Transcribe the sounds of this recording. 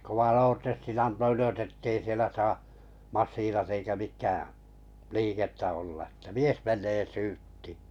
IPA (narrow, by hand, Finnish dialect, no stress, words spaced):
ne kow̆ɑn̞ oːrtestin ɑnto yløs etːei sielæ sɑː mɑsːiːnɑt eikæ mikˑæ liːketːæ olːɑ ĕtːæ mies menˑeː syːtːi̥ː